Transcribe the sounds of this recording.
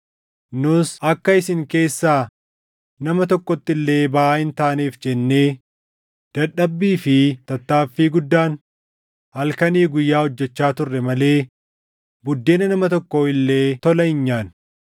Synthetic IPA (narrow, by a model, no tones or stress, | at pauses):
nʊsɐkːɐɪsɪŋke̞ːsːaː | nɐmɐt̪ɔkːɔt̪ːɪlːe̞ːbaʔaːɪnt̪aːniːfd͡ʒɛnːe̞ː | d̪̥ɐᶑɐbːiːfɪt̪ɐt̪ːaːfːiːɡʊd̪ːaːn | hɐlkɐniːɡʊjːaːhɔd͡ʒːɛt͡ʃːaːt̪ʊrːɛmɐle̞ː | bʊd̪ːe̞ːnɐnɐmɐt̪ɔkːoːɪlːe̞ːt̪ɔlɐɪɲːaːn